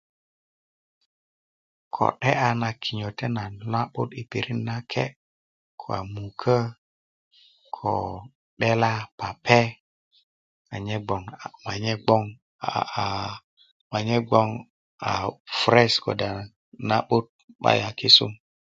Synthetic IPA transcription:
kʰo̰˨ɗe˦a˨na˨kʰi˨ɲo˨te˦na˨la˦ɓu˦ti˨pi˨ɾi˦nna˦kʰe˦ | kʰo̰˨a̰˨mu˨kʰə˦ | kʰo̰˨ | ɗe˦la˦pa˨pʰe˦ | a˨ɲe˦ɡ͡bo˨ŋ˨ma˨ɲe˦ɡ͡bɔ˦ŋ˨ | ma˨ɲe˦ɡ͡bo˦ŋ | a̰˨fɾɛ˦sko̰˨da˨ | na˦ɓu˦t̚ɓa̰˦ja˨ki˦sṵ˦m

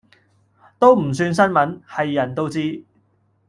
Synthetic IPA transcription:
t̪o˥wm̩˨˩s̬yː˧ns̬ɐ˥nmɐ˨˥nhɐ˨jːɐ˨˩nt̪o˥wt͡siː˥

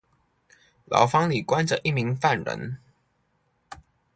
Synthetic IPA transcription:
lɑ̰˧˥ʊfɑ˥ŋli˨˩kwa˥nʈ͡ʂə˨ʔi˥˩mi˧˥ŋfa˥˩nɻə̰˧˥n

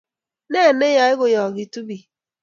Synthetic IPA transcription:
ne˦˨ne˦ja˦ɪ˦ɣʊ˨jɔ˨ɡi˨tu˦bi˨

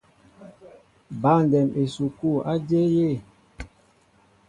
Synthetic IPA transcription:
ba˦˨n˨dɛ˨me˨su˨ku˦˨a˦d͡ʒe˦je˦˨

